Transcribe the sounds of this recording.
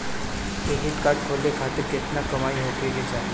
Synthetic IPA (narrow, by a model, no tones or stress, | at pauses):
t̪eɦit̪kaɾʈ̚kʰolːekʰat̪iɾket̪nakəmaiɦok̪eɡed͡ʑa